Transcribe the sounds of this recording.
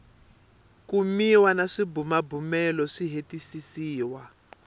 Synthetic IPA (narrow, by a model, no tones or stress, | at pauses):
kumiwanaʂibumabumɛlɔʂiɦetisisiːwa